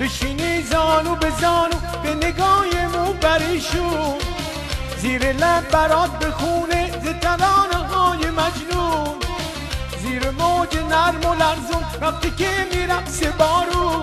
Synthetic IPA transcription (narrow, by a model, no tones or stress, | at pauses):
ɾeʃinizɑːnubezɔːnu | beneɡɑːjemubæɾiʃu | ziːɾelæbbæɾɔːd̪̚bexunezet̪ʰælɑːneɦɑːjemæd͡ʒnu | ziːɾemoːd͡ʒenæɾmolæɾzumɾæq̚t̪ikemiɾæfsebɔːɾu